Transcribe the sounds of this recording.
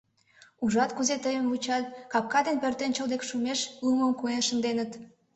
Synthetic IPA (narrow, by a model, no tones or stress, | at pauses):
uʒɑt̪kuzet̪əjəmvut͡ɕɑt̪̚kɑp̚kɑd̪enpørt̪ent͡ɕəld̪ekʃumeʃuməmkuenʃənd̪enət̪